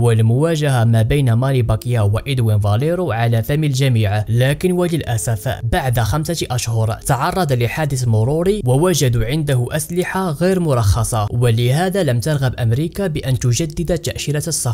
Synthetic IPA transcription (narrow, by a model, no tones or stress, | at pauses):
wəlmʊwæʒaɦamæbæjnamɑlibɑkjawaʔid̪winvɑleɾuʕalæfæməlʒæmiːʕlækənwæləlʔæsæfbaʕd̪axæmsaʔæʃhʊɾˤt̪ɑʕɑrˤːɑd̪ləħad̪əθmʊɾˤuɾiwawæʒæd̪uʕɪnd̪ahʊʔæslɪħaɣijɾmʊɾˤɑxːɑsˤɑwələɦæd̪alæmt̪ɑɾˤɣɑbʔæmɾikabəʔænt̪ʊʒæd̪ːəd̪at̪ːaʔʃiɾat̪sˤːɑ